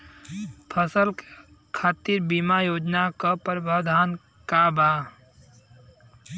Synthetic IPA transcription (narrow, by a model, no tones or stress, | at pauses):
pʰəsəl | kʰaːt̪iɾbimajoːd͡ʒnakəpəɾəbʱaːd̪ʱaːn | kabaː